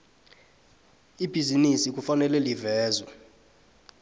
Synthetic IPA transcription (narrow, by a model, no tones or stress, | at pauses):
ib̥ʱizinisik̬ʼufanɛlɛlivɛːzwa